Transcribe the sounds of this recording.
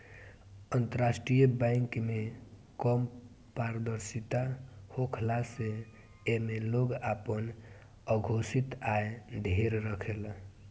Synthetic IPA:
ənt̪əɾasʈɾijəbãɪŋkmekəm | paɾd̪əɾsit̪ahokʰlase | emeloɡapən | əɡʱosit̪aed̪ʱeɾɾəkʰel

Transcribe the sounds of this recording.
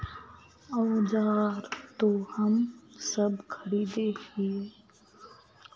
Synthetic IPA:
ɔːd͡ʒaːɾt̪ohɐmsɐbkʰəɾiːd̪eːɦiː

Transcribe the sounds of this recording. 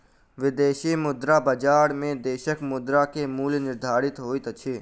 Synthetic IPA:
ʋɪd̪eːʃimʊd̪ɾabəd͡ʒaːɽmẽd̪eːʃəkmʊd̪ɾakemuːlnɪɾd̪ʱaːɾɪt̪ɦoːit̪ət͡ʃʰeː

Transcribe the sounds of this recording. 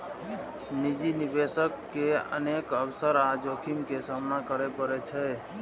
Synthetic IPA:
nid͡ʒinibesəkːeə̰nekəbsəɾad͡ʒokʰimkesamnakəɾepəɾɛt͡ʃʰɛ

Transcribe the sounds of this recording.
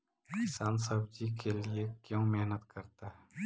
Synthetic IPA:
kɪsaːnsɐbd͡ʒikʰeliekjõːmɛɦnət̪kɐɾt̪aɦɛː

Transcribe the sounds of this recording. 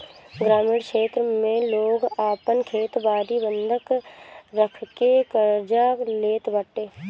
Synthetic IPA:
ɡɾaːmiːɽkʃeːt̪ɾəmẽloːɡaːpənkʰeːt̪baːɾibə̃nd̪ʱəkɾəkʰkekəɾd͡ʒaleːt̪bəʈːeː

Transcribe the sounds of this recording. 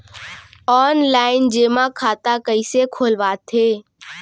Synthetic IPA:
ɔːnlaːɪnd͡ʒeːmãkʰaːt̪akəisekʰoːlʋaːt̪ʰeː

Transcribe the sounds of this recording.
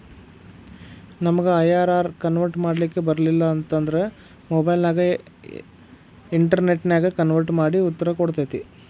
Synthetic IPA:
nɐmɐɡeɐjaːɾaːɾkɐnʋɐɾʈmaːɽlikːe̞bɐɾɐlilːɐːnt̪ɐnd̪ɐɾe̞ | mobɐjlnaːɡɐ | iɳʈɐɾne̞ʈːnjaːɡɐkɐnʋɐɾʈmaːɽiut̪ːɐɾɐkoɽt̪ɐt̪i

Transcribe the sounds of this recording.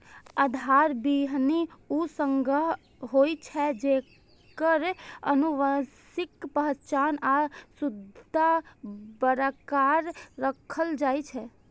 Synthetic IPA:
ad̪ʱaɾbiɦniusəŋɡəɦ | ɦoit͡ʃʰɛd͡ʒe | kəɾə̰nuʋəsɪkpəɦt͡ʃanasʊd̪ʱabəɾakaɾːəkʰəld͡ʒaːjt͡ʃʰɛ

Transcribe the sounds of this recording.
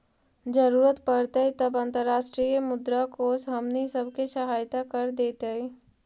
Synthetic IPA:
d͡ʒəɾuːɾət̪pəɽt̪eit̪ɐbə̃nt̪əɾːaːʃʈɾijəmʊd̪ɾakosɦɐmnisəbkeʃɐɦaːjt̪akɐɾd̪eːt̪ei

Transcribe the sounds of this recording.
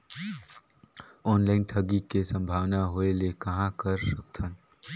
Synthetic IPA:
ɔːnlaːɪnʈʰəɡikesə̃mbʱaːʋnaɦoelekɐɦãkəɾsəkt̪ʰən

